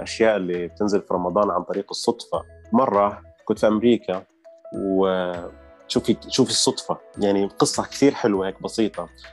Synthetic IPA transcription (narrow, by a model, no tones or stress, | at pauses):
ʔaʃjaːʔɪlːib̚t̪ɪnzɪlfiɾˤɑmɑd̪ˤɑːnʕant̪ˤɑɾiːqɨsˤːʊt̪ˤfɑ̰mɑrˤːɑkʊnt̪fiʔamɾiːka | w | ʃuːfiʃuːfisˤːʊt̪ˤfɑjaʕniqɨsˤːɑkt̪iːɾħɪlwaheːk̚bɑsiːt̪ˤɑ